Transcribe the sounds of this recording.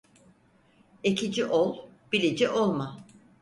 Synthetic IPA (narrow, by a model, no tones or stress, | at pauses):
ecʰid͡ʒiʔolˠb̥ilʲid͡ʒiʔolˠma